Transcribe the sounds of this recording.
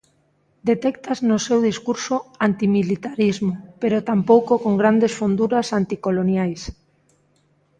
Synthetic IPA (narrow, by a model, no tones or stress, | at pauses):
d̪et̪ɛkt̪aznosewðiskuɾsoant̪imilit̪aɾizmopeɾot̪ampowkokoŋɡɾand̪esfond̪uɾasant̪ikolonjajs